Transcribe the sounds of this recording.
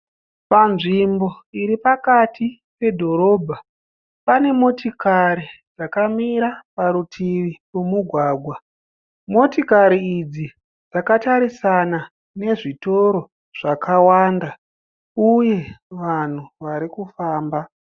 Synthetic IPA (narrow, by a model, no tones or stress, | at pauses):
panʐimbo̞iɾipakatʰi | pe̞dʱo̞ɾo̞ːbʱa | pane̞mo̞tikaɾi | d͡zakamiɾapaɾutʰiʋirumuɡʱwaːɡʱwa | mo̞tikaɾiid͡zi | d͡zakataɾisana | ne̞ʐito̞ɾo̞ | ʐ̥akawaːnda | uje̞ʋan̤uʋaɾikufaːmba